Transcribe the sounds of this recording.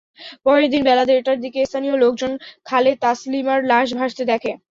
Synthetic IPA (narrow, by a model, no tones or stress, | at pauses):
pɔɾeɾd̪inbɛlad̪eʈaɾd̪ikest̪ʰanijolok̚d͡ʑonkʰalet̪aslimaɾlaʃ̬bʱaʃt̪ed̪ɛkʰe